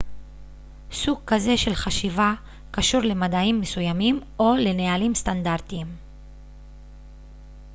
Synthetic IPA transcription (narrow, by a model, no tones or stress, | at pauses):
suɡ̚kaze̞ʃe̞lχaʃiva | kaʃuʁle̞madaimːe̞sujamimo̞le̞nealimst̪and̪aʁt̪iim